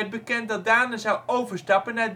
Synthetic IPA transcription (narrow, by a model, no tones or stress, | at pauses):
ɛd̚bəkɛntdɑd̚daːnəzɑwowvəɹstɑpənːaːɹd